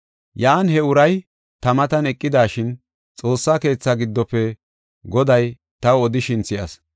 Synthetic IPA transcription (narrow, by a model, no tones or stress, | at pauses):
jɐːnhɛʊɾɐj | t̪ɐmɐt̪ɐnɛkʼːɪd̪aːʃɪn | t͡sʼo̞ːsːaːke̞ːt͡sːɐɡɪd̪ːɔpːɛ | ɡɔd̪ɐj | t̪ɐwɔd̪ɪʃɪnt͡sːɪjɐs